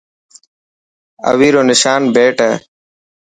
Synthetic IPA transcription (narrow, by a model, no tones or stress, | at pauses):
ə̰ʋiːɾoːnɪʃaːnbeːʈəː